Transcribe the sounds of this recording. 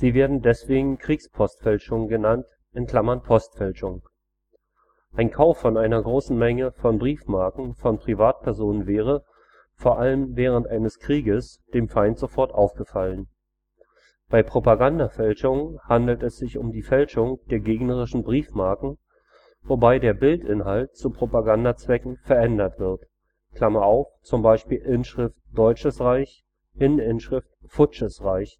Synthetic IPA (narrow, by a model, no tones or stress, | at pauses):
z̥iːveːɐdn̩dɛsv̥eːɡŋ̩kʁ̥iːkspʰɔstfɛlʃʊŋɡənant | ʔɪnkl̥amɐnpʰɔstfɛlʃʊŋ | ʔaɪnkʰaʊfːɔnʔaɪnɐɡʁoːsn̩mɛŋəfɔnbʁiːfmaɐkŋ̩fɔnpʁ̥ivaːt̚pʰɛɐzoːnənvɛːʁ̞ə | foːɐʔaləmvɛːʁ̞əntʔaɪnəskʁ̥iːɡəs | d̥eːmfaɪntz̥ofɔɐtʔaʊfɡ̥əfalən | b̥aɪpʁ̥opaɡandafɛlʃʊŋhandl̩tɛsz̥ɪçʊmdiːfɛlʃʊŋd̥eːɐɡeːɡnəʁ̞ɪʃn̩bʁiːfmaɐkŋ̩ | vobaɪdeːɐbɪltʔɪnɦalt̚t͡supʁ̥opaɡandat͡sv̥ɛkŋ̩fɛɐʔɛndɐtv̥ɪɐt | kl̥amaʔaʊft͡sʊmbaɪʃpiːlʔɪnʃʁ̥ɪftd̥ɔʏt͡ʃəsʁaɪç | ʔɪnənɪnʃʁ̥ɪftfʊt͡ʃəsʁaɪç